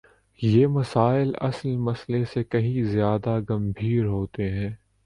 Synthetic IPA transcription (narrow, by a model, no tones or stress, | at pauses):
jeːmɐsaːɪlɐ̰slmɐslesekɐɦĩzjaːd̪aɡɐ̃mbʱiːɾɦoːt̪eɦɛ̃ː